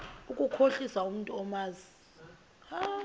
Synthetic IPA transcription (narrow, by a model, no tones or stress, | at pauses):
ukʼukʰoɬisaum̩ntʼuɔmaːzi | a